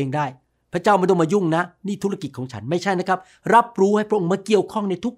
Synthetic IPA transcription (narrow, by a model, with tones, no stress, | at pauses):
eː˧ŋdaː˥˩j | pʰɾa˦˥t͡ɕaː˥˩ma˧do˧˩maː˧ju˥˩ŋna˦˥niː˥˩t̪ʰu˦˥a˧ki˨˩t̪̚kʰɔː˩˦ŋt͡ɕʰa˦˥nma˥˩jt͡ɕʰa˥˩jna˦˥kʰa˦˥p̚ | ɾa˦˥p̚ɾuː˦˥ha˥˩jpʰɾa˦˥ʔo˧ŋmaː˧ki˨˩əwkʰɔ˥˩ŋna˧jt̪ʰu˦˥k̚